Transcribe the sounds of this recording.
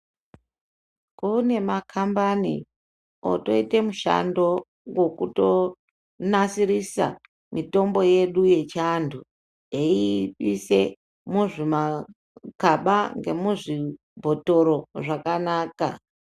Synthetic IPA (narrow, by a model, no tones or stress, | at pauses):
kune̞makʰambanḭ | o̰to̞ite̞muʃa̰ndo̞ | ɡwo̞kuto̞ | nasirisa̰ | mito̞mbo̞je̞ɗuje̞t͡ʃandʱu | eiɓise̞ | muʐima | kaɓaŋɡe̞muʐi | bʱo̞to̞ɾo̞ʐakanaːka̰